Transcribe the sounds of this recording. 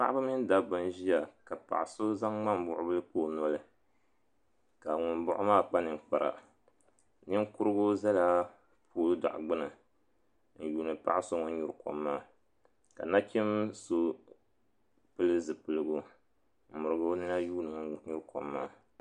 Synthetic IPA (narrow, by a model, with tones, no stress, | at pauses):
pa˦ʔa˦bɨ˦mɪ˦n˦da˨bɨ˦n˦ʒi˦ja˨ka˨pa̰˨ʔɪ˨so˦za˦ŋŋ͡ma˦m˨˦bʊ˨ʔʊ˦bɨ˦lɨ˦poː˦˨nɔ˦lɨ˨ | ka˨ŋʊ˨mbʊ˦ʔʊ˦maː˦k͡pa˦nɨ˨k͡pa˨ɾa̰˨ | nɨ˦ŋ˦kʊ˦ɾɨ˦ɡo˦za˦la˦ | pʰoː˦lɨ˦da̰˨ʔɡ͡bɨ˦nɨ˨ | n̩˨juː˨nɨ˨pa̰˦ʔɪ˦so˦ŋɔ˦ɲu˦ɾko̰˨mːaː˦ | ka̰˨na˦kʲi˦mso˦ | pɨ˦lɨ˦zɨ˨pɨ˨lɨ˦ɡʊ˦ | m̩˨mʊ˨ɾɨ˨ɡo˦nɨ˦na˦juː˦nɨ˨ŋɔ˨˦ɲu˦ɾko̰˨mːaː˦